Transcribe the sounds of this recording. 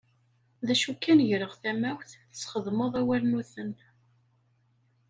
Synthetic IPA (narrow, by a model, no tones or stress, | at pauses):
ðæʃukːænʝɾəʁθæmæwθθə̥t͡sːχəðˤmoðˤæwælnuθən